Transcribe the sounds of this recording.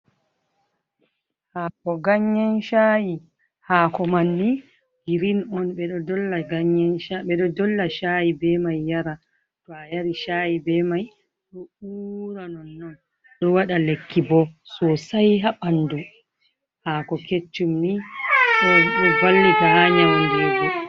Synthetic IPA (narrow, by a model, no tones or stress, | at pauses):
haːkɔɡaɲːanʃaji | haːkɔmanːi | ɡiɾinɔnɓɛɗɔdɔlːaɡaɲːanʃaɓɛɗɔdɔlːaʃajibɛmajːaɾa | tɔajaɾiʃajibɛmaj | ɗɔuːɾanɔnːɔn | ɗɔwaɗalekːibɔsɔsajɦaɓandu | hakɔket͡ʃːumniɗɔɗɔbalːibaɲaniduɡɛ